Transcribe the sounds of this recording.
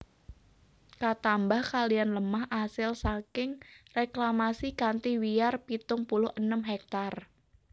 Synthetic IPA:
kat̪ambahkalijanləmahʔasɪlsakɪŋreklamasikant̪iwiarpit̪ʊŋpulʊhənəmɦɛk̚t̪ar

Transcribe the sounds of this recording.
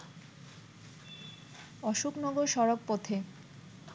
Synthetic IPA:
ɔʃuknɔɡoɾʃɔɾok̚pot̪ʰe

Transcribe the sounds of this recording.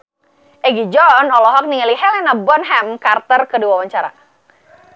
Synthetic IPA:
ʔɛɡid͡ʒɔnɔlɔɦɔk̚niŋaliɦɛlɛnabɔnɦɛmkart̪ərkəduwawaɲt͡ʃaɾa̰

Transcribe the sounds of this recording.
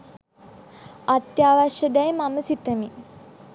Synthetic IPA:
at̪jaːʋaʃəd̪ɛjmaməsit̪əmi

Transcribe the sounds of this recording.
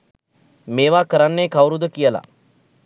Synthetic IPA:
meːʋaːkəɾanːeːkawɾud̪əkijəla̰

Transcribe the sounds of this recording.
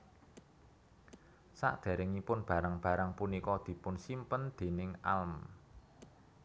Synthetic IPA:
sa̰ʔd̪̥e̤ɾɪŋipʊnb̥ä̤ɾaŋb̥ä̤ɾaŋpunikɔd̪̥i̤pʊnsimpənd̪̥e̤nɪŋa̰lm

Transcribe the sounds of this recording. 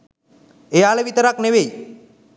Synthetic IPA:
ejaːleʋit̪əɾakneʋej

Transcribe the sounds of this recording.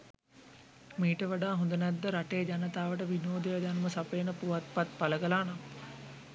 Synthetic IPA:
miːʈəʋaɖaːɦũnd̪ənæd̪ːəɾaʈejːd͡ʒanət̪aːʋəʈəʋinoːd̪əjəd͡ʒanuməsapejːnəpuʋat̪̚pat̪̚paləɡəlaːnam

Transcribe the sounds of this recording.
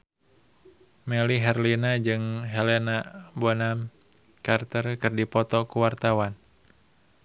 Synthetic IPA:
mɛliɦɛrlinad͡ʒɨŋɦɛlenabɔnam | kart̪ərkɨrdipɔt̪ɔkuwart̪awan

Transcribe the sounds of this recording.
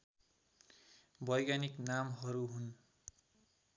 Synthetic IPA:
bʌjɡaniknamɦʌɾuɦun

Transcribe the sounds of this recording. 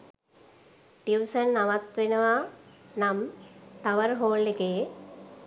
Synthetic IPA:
t̪iwsənːaʋat̪ʋenəʋanamt̪aʋəɾɦoːlːekeː

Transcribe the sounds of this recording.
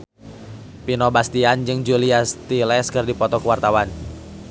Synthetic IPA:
pinɔbast̪iand͡ʒɨŋd͡ʒuliast̪ilɛskɨrdipɔt̪ɔkəwart̪awan

